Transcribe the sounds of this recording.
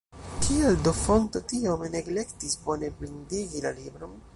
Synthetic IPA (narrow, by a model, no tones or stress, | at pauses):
kʰieldofo̞nto̞tiomeneɡle̞ktisbo̞ne̞bɾindiɡilalibɾo̞n